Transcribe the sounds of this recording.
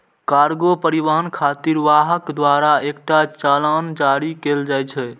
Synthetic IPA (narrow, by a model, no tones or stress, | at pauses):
kaɾɡopəɾiʋəɦənkʰat̪iɾʋaɦəkd̪waɾaek̚ʈat͡ʃaland͡ʒaɾikeld͡ʒajt͡ʃʰɛ